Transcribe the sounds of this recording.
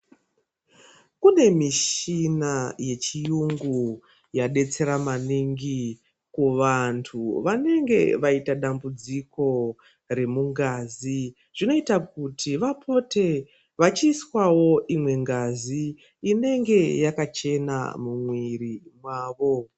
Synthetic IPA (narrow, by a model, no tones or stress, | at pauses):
kune̞miʃinaje̞t͡ʃijuŋɡu | jaɗe̞t͡se̞ɾamaniŋɡi | kuʋantʰuʋane̞ŋɡe̞ʋaitaɗambud͡ziko̞ | ɾe̞muŋɡazi | ʐ̥ino̞itak̚utʰiʋapʰo̞te̞ | ʋat͡ʃiːswawo̞ʔimwe̞ŋɡaziː | ne̞ŋɡe̞jakat͡ʃe̞na̰mumwirimwaːʋo̞